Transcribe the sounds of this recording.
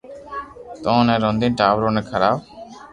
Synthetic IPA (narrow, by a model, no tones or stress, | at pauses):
t̪ɔ̃ːnɛɾɔnd̪inʈaːbɾoːnekʰɐɾaːb